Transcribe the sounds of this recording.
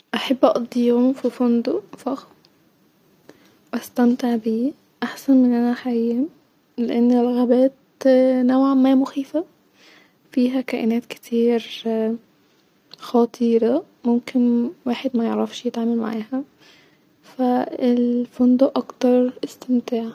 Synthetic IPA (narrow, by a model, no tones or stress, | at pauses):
ʔaħabːʔɑʔd̪ˤiːomfifʊnd̪ofɑx | wʔæst̪æmt̪eʕbiː | ʔaħsænmɪnʔænæħaiːæ | leʔanːelːɣæbæːt̪ | nowʕamæːmʊxiːfa | fiːɦækæːʔɪnæːt̪kɪ̥t̪ʰiːɾ | xɑt̪ˤʰiːɾɑ | mʊmkɪnwaːħed̪mæjeʕɾɑfʃjɪt̪ʕaːmælma̰ʕaːhæ | fæɪlfʊnd̪oʔɑkt̪ɑɾˤʔɪst̪ɪmt̪aːʕ